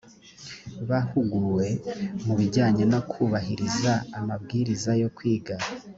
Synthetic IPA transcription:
βahuɡuɾwe̞muβiɟaːɲenokʰuːβaɦiɾizaːmabɡiːɾizajo̞kwiːɡaɾa

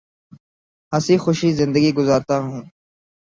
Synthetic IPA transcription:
ɦəsiːxʊʃiːzɪ̃nd̪əɡiːɡʊzaːɾt̪aːɦũː

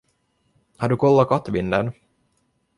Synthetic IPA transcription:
haɖɵkʰɔlːakʰat̪ːvɪnd̪ən

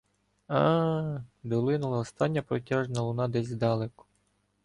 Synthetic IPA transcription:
ɑ | d̪ɔlˠɪnʊlˠɐɔst̪ɑnʲːɐpɾɔtʲɑʒnɐlˠʊnɑd̪ɛzʲzd̪ɑlˠɛkʊ̥

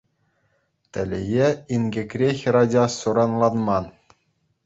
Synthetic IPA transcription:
t̪ʲɘ̆lʲɘ̆jeinɡʲɘ̆kʲrʲexʲɾɑdʲɑsuɾɑnlˠɑnmɑn

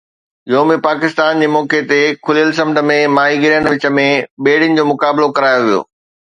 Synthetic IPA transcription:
oːmẽpaːkɪst̪aːnd͡ʑeːmɔːket̪ekʰʊlijəls̬ɐ̃mʈə̆mẽmaːɦiɡɪɾijənəʋɪt͡ɕə̆mẽɓeːɽɪnɪ̆d͡ʑoːmʊkaːblokɐɾaːjoʋijo̰ː

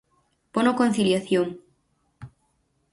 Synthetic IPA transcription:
ponokon̟θiljaθjoŋ

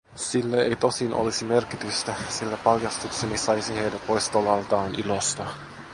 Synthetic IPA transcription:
silːæejt̪o̞sinʔo̰lisime̞rkit̪yst̪æsilːæpɑljɑst̪uksenisɑjsihejdæpo̞jst̪olɑlt̪ɑːnʔilost̪ɑ

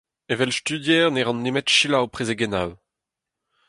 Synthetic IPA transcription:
evɛlst̪yd̪jɛːʁnɛʁɑ̃nːemɛtʃilawpχezeɡɛnaw

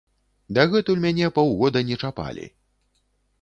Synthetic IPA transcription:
d̪ɐɣɛt̪ulʲmʲanʲɛpɐwɣɔd̪ɐnʲɛt͡ʂapa̰lʲḭ

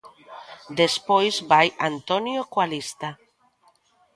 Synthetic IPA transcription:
d̪espojzbajant̪onjokwalist̪a

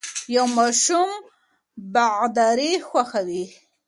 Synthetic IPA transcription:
jawmɑʃum | baɣd̪ɑɾixwaxawi

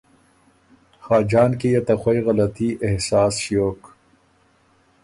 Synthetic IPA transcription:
xaːd͡ʑaːnkijɐt̪ɐxwɐjɣɐlɐt̪iʔehsaːsʃjoːk

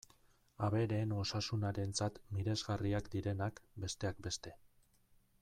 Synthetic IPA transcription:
aβe̞ɾe̞ːno̞sasunaɾe̞nt͡sat̪miɾe̞zɣariakd̪iɾe̞nakbe̞st̪e̞ak̚be̞st̪e̞

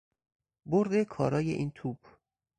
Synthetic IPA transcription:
boɾd̪e̞kʰɒːɾɒːjḛʔiːnt̪ʰuːb̥

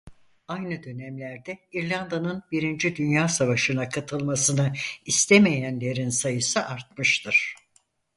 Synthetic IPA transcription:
ajnɯd̪ø̞næmlʲæɾd̪ɛiɾlʲand̪anɯnbiɾind͡ʒid̪ynjaːsavaʃɯnakʰat̪ʰɯlˠmasɯnɯist̪ʰeme̞jænlʲe̞ɾinsajɯsɯʔaɾt̪mɯʃt̪ʰɯɾ̝̥

